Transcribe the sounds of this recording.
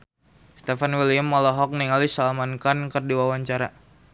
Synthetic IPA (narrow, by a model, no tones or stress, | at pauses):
st̪efanwiliəmːɔlɔɦɔk̚niŋalisalamankankərdiwawaɲt͡ʃaɾa